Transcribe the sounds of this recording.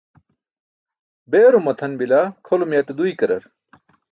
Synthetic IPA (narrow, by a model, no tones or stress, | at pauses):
beːɾumɐt̪ʰɐnbilakʰolumjɐʈed̪uikɐɾɐ̰ɾ